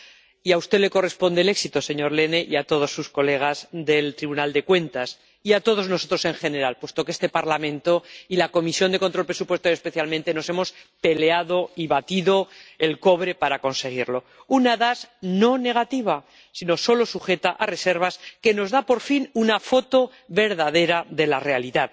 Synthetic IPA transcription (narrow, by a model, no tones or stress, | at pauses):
iaust̪e̞le̞ko̞re̞spo̞nd̪ele̞ksit̪o̞se̞ɲoɾle̞ne̞ʔiat̪o̞ð̞o̞sːusko̞le̞ɣ̞azðe̞lt̪ɾiβunald̪e̞kwe̞nt̪as | iat̪o̞ð̞o̞znoso̞t̪ɾo̞se̞ŋxe̞ne̞ɾalpwest̪o̞keest̪e̞paɾlamẽ̞nt̪o̞ilako̞misjo̞nd̪e̞kont̪ɾopɾesupwe̞st̪ojoespe̞θjalmẽnt̪e̞no̞se̞mo̞spe̞le̞aðo̞iβat̪iðo̞elko̞β̞ɾe̞paɾako̞nse̞ɣ̞iɾlo̞ | unaðasno̞ne̞ɣat̪iβ̞a | sino̞so̞lo̞suxe̞t̪aʔare̞se̞ɾβaske̞no̞zðapo̞ɾfinunafo̞t̪o̞ | βe̞ɾðaðe̞ɾaðe̞lare̞aliðað